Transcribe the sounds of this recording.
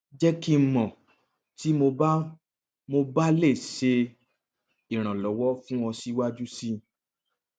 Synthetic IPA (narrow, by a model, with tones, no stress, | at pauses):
d͡ʒɛ˦ki˦m̩˦mɔ̃˨ | ti˨˦mo˧ba˦ | mo˧ba˦le˦˨se˧ | i˨ɾ̃ã˨lɔ˨˦wɔ˦fũ˦ɔ̃˧si˦wa˦d͡ʒu˦si˦